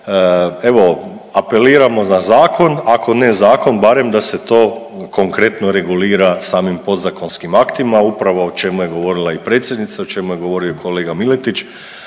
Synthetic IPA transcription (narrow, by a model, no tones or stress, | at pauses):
e̞ʋo̞ | ape̞liːɾamo̞nazaːkʰo̞nakʰo̞ne̞zaːko̞nbaɾe̞md̪ase̞t̪o̞ː | ko̞ŋkɾe̞t̪noɾe̞ɡuliːɾasaːmimpo̞d̪zako̞nskimakt̪imaupɾaʋoot͡ʃe̞muje̞ɡo̞ʋo̞ɾilˠaipɾet̪sjed̪nit̪saot͡ʃe̞muje̞ɡo̞ʋo̞ɾio̞kʰo̞le̞ːɡamilet̪it͡ʃ